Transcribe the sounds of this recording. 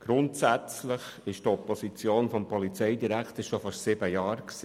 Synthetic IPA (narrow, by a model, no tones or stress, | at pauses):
ɡ̥ɾʊntsæt͡slɪχɪʃtɔpɔsit͡sjoːnfɔmpɔlit͡sɛɪdiɾækt̪əʃofɑʃsɪbəjɑːɾksi